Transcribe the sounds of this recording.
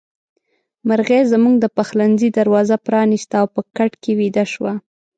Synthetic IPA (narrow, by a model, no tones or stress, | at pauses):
maɾɣezəmuŋɡd̪əpaxlanzid̪aɾwɑzapɾɑnist̪aːwpəkaʈkewid̪aʃwa